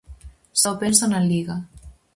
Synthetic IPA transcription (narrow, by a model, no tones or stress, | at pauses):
sawpensanaliɣa